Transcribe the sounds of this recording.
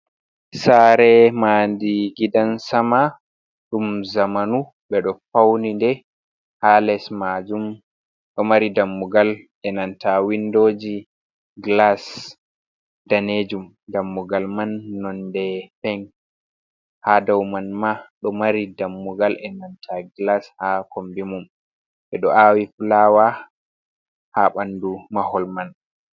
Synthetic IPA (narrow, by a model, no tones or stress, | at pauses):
saɾɛmaːndiɡidansama | ɗumzamanu | ɓɛɗɔfawnindɛ | halɛsmad͡ʒum | ɗɔmaɾidamːuɡalʔɛnantʰawindoːd͡ʒi | ɡlas | daned͡ʒum | damːuɡalmanːɔndɛfɛŋ | hadawmanmaɗɔmaɾidamːuɡalʔɛnantʰaɡlashakombimum | ɓɛɗɔʔawifulawa | haɓandumahɔlman